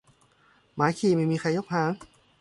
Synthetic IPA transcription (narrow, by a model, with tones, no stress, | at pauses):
maː˨˦jkʰiː˧˩ma˥˩jmiː˧xʰa˧jːo˦˥˩p̚haː˩˦ŋ